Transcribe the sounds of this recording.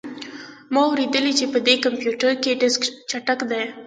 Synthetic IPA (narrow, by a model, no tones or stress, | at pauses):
mɑwɾid̪əlit͡ʃepəd̪ekampjuʈəɾkeɖɪskt͡ʃaʈakd̪aj